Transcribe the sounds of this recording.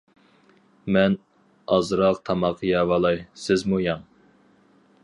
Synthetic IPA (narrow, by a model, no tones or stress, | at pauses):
mɛn | ɑzɾɑqt̪ʰɑmɑqʰɨjɑwɑlˠɑjsɪzmujɑŋ